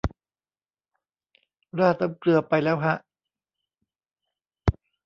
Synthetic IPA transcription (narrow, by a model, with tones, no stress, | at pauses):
ɾaː˥˩t̪a˧mklɯ˧ɐpa˧jlɛː˦˥wɦa˦˥ʔ